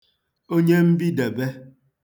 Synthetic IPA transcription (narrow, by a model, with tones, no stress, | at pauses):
o˦ɲe˦m̩˦bi˦de˨be˦